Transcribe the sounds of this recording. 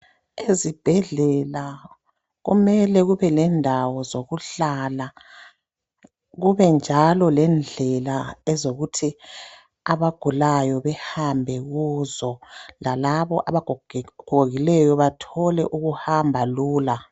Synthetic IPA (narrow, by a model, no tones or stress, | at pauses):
ezib̥ʱɛɮɛla | ɣṵmɛlɛɣuβɛlɛndʱawɔzoɣuɬala | ɣuβɛnd͡ʒʱalɔlɛnd͡ɮʱɛlaɛzoɣutʰi | aβaɡ̥ʱulajɔβɛhambʱɛɣuːzɔlalaβɔʔaβaɡʱɡ̥ʱoɣilɛjɔβatʰɔlɛʔuɣuhambʱaluːla